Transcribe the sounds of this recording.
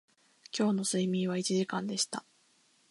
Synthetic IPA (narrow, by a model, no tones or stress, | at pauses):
kʲo̞ːno̞sɨimʲĩɰ̃β̞ait͡ɕiʑikãnd̪e̞ɕi̥t̪a